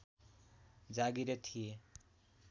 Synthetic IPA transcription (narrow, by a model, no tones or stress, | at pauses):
d͡zaɡiɾet̪ʰije